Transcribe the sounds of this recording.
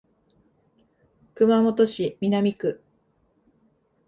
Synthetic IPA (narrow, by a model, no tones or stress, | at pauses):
kɯ̟mamo̞t̪oɕimʲinamʲikɯ̟